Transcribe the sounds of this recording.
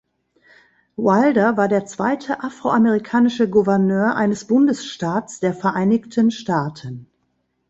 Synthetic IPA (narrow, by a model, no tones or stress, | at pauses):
waldɐvaːɐdeːɐt͡sv̥aɪtʰəʔafʁ̥oʔamɛʁikʰaːnɪʃəɡuvɛɐnøːɐʔa̰ɪnəsb̥ʊndəsʃtaːtt͡sd̥eːɐfɛɐʔaɪnɪçtʰənʃtaːtʰən